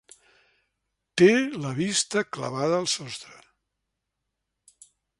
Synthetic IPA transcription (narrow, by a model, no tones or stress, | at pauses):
t̪eləβist̪əklə̰βaðəːlˠsɔst̪ɾə